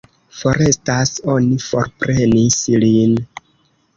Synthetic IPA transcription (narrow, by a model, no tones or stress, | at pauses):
fo̞ɾe̞staso̞nifo̞̰ɾpɾe̞nislin